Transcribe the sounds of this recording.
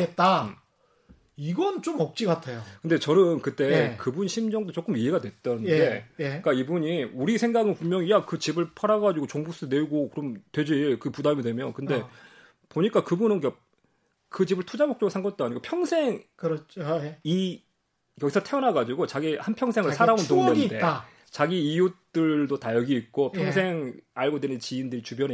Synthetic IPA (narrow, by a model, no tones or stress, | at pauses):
et̚t͈a | iɡʌnt͡ɕomʌk̚t͡ɕ͈iɡatʰejokɯnde̞t͡ɕʌnɯnkɯt͈e̞kɯbunɕʰimd͡ʑʌŋdot͡ɕ͈ok͈ɯmiɦe̞ɡadwe̞t̚t͈ʌnɯndde̞jek͈aibuɲiuɾisʰe̞ŋɡaɡɯnpumjʌŋijakɯt͡ɕibɯɭpʰaɾaɡad͡ʑiɡot͡ɕoŋbus͈ʰɯne̞uɡokɯɾʌmtwe̞d͡ʑiɭkɯpudamidwe̞mjʌnkɯnde̞ | poɲik͈akɯbunɯnka | kɯt͡ɕibɯɭtʰud͡ʑamok̚t͡ɕ͈ʌɡɯsʰaŋɡʌt͈̚oaɲiɡopʰjʌŋsʰe̞ŋkɯɾʌt͡ɕʰoi | jʌɡisʰʌtʰeʌnɦaɡad͡ʑiɡot͡ɕaɡihanpʰjʌŋsʰe̞ŋɯɭsʰaɾaontoŋʌnnde̞ | t͡ɕaɡiːjut͈ɯɭdotajʌɡiik͈opʰjʌŋsʰe̞ŋaɭɡodwenɯnt͡ɕiːndɯɾit͡ɕubjʌn